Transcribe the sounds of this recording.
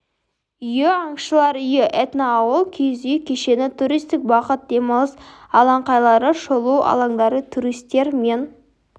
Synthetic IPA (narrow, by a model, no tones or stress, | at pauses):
ʏjɪɑɴʃəlˠɑɾʏjɪʔet̪naːwəlˠkʲʰejzʏjɪkʲʰe̞ʃe̞nɪt̪ʰuɾijst̪ɪk̚bɑqət̪̚d̪emɑlˠəsɑlˠɑɴqɑjlˠɑɾəʃolˠuwʔɑ̰lˠɑŋd̪ɑɾət̪ʰuɾijst̪e̞ɾme̞n